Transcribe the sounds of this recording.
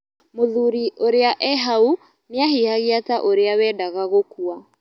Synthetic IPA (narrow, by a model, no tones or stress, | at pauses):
moðuɾioɾeaʔɛɦau | neaɦihaɣeataʔoɾeawɛdaɣaɣokua